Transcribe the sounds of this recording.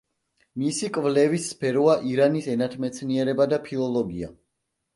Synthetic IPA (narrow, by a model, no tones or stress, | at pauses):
misikʼvlɛvisːpʰɛɾɔaʔiɾanisɛnat̪ʰmɛt̪sʰniɛɾɛbad̪apʰilˠɔlˠɔɡia̰